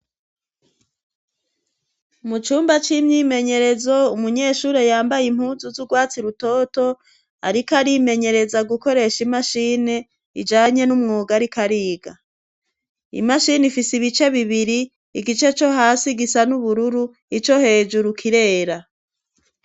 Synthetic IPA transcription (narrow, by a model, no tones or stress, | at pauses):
mut͡ʃuːmbat͡ʃimɲiːme̞ɲe̞ɾe̞zo̞umuɲe̞ːʃuːɾejaːmbajim̥huːzuzuɡwaːt͡siɾuto̞to̞ | aɾikaɾime̞ɲe̞ɾe̞zaɡuko̞ɾe̞ʃimaʃiːne̞ | ḭd͡ʒaːɲe̞numŋoːɡaɾikʰaɾiːɡa | ḭmaʃinifisiβit͡ʃe̞βiβiɾiː | ɡit͡ʃe̞t͡ʃo̞ɦaːsiɡisanuβuɾuɾu | it͡ʃo̞he̞ːd͡ʒuɾukʰiɾe̞ːɾa